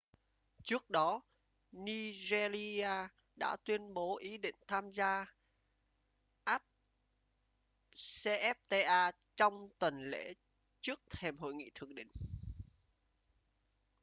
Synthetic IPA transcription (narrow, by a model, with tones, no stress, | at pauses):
t͡ɕɨ˦˥ək̚ɗɔ˨˦ | ni˧ze˧li˧aː˧ | ɗa̰ː˧˥t̪wi˧ənɓo˨˦ʔi˨˦ɗḭ̈˧˨ŋ̟t̪ʰaː˧mzaː˧ | ʔa˦˥p̚ | se˧ʔɛ˦˥p̚t̪e˧ʔaː˧t͡ɕɔ˧wŋ͡mt̪wə˨˩nlḛ˧˥ | t͡ɕɨ˦˥ək̚t̪ʰe˧˩mɦo̰˧˨jŋḭ˧˨t̪ʰɨ˧˩əŋ̚ɗḭ̈˧˨ŋ̟